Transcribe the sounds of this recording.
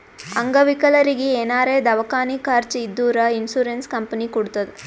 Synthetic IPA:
ɐŋɡɐʋikɐlɐɾiɡieːnaːɾeːd̪ɐʋɐkaːnikaːɾt͡ʃid̪ːuːɾɐinsuːɾenskɐmpɐnikuɽut̪ːɐd̪e

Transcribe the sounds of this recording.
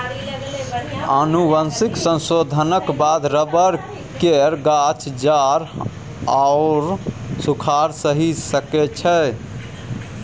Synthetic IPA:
ənuʋənsiksə̃nsod̪ʱənəkbad̪ʱɾəbəɾ | keɾɡat͡ʃd͡ʒaɾ | aʊɾsukʰaɾsəɦisəkɛt͡ʃʰɛ

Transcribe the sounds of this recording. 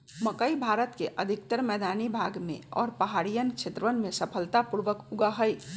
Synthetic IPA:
məkəibʱaɾət̪keʔəd̪ʱik̚t̪əɾmɛːd̪anibʱaɡmḛɔ̰ːɾpəɦaɾijənkt͡ʃʰet̪ɾəʋənmesəpʰəlt̪apuɾʋəkuɡəɦəj

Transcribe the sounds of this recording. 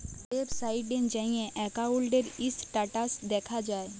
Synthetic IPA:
eːbsaːɪɖɖẽnd͡ʒãĩjẽʔɛːkaoːlɖəɾɪsʈaːʈasd̪eːkʰad͡ʒaːe

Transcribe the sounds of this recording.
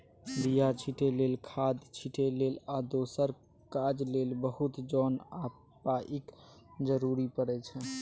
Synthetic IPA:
ɾijat͡ʃʰiʈelelkʰad̪t͡ʃʰiʈʰelelad̪osəɾ | kad͡ʒlelbəɦut̪d͡ʒɔna | paʔikd͡ʒəɾuɾipəɾɛt͡ʃʰɛ

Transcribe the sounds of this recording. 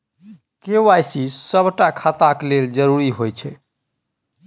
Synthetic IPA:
keʋajsisəbʱʈakʰat̪akleld͡ʒəɾuɾiɦojt͡ʃʰɛ

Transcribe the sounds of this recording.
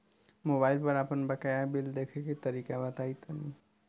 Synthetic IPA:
mobajilpəɾapənbəkajabild̪ekʰeket̪əɾikabət̪ajt̪əni

